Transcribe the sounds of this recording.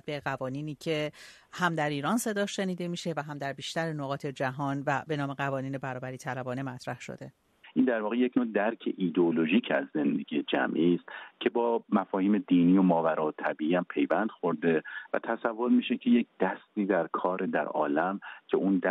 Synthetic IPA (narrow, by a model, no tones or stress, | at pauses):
beɢævɒːniːniːcʰe̞ | hæmd̪æɾiːɾɒnse̞d̪ɒːʃe̞niːd̪emiːʃe̞væɦæmd̪æɾbiːʃt̪æɾenoɣɒːt̪ʰe̞d͡ʒæɦɒːnvæbe̞nɒːme̞ɣævɒːniːne̞bæɾɒːbæɾiːt̪ʰælæbɒːne̞mæt̪ʰɾæhʃo̰d̪e̞ | ʔiːnd̪æɾvɒːɣeje̞cʰnod̪æɾcʰe̞̰ʔiːd̪eoloʒiːcʰæzːe̞nd̪e̞ɡʲijed͡ʒæ̰mʔiːst̪cʰe̞bɒːmæfɒːhiːme̞d̪iːniːjo̞mɒːvæɾɒːt̪ʰæbiːʔiːæmpʰe̞jvænd̪̥xo̞ɾd̪e̞væ̰t̪ʰæsævːo̞ɾmiːʃecʰe̞jec̚ʰd̪̥æst̪iːd̪æɾkʰɒːɾʔed̪æ̰ɾɒ̰ːlæmcʰe̞ʔund̪